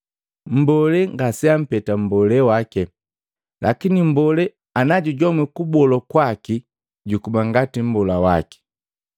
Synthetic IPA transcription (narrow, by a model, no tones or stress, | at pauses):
m̩bɔlɛŋɡasiam̩pɛtam̩bɔlɛwakɛ | lʔa̰kinim̩bɔlɛ | anaɟuɟɔmwikubɔlɔkwaki | ɟukubaŋɡatim̩bɔlawa̰ki̥